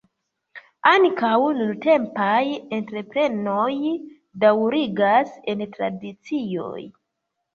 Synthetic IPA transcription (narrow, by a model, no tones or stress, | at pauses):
aŋkawnunte̞mpaje̞ntɾe̞pɾe̞noj | dawɾiɡase̞ntɾa̰dit͡sio̞̰j